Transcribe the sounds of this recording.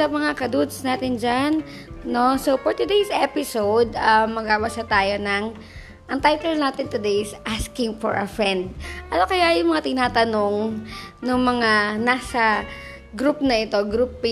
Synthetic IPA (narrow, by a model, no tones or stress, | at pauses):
sɐmɐŋakɐd̪ud̪snaːt̪ɪnd͡ʒanː | o̞sowfɔɹt̪ʊd̪ejsʔɛpɪsowd̪̚ɐmːɐɡaːwasɐt̪aːjo̞nɐŋ | ʔɐŋt̪ajt̪ɛlnaːt̪ɪnt̪ʊd̪ejsʔaskɪŋfɔ̰ɹʔɐfɹɛnd̪̚ʔɐnokɐjaʔɐjʊŋmɐŋat̪ɪnaːt̪ɐno̞ŋnʊŋmɐŋanaːsɐ | ɡɾupnɐʔɪt̪o̞ɡɾup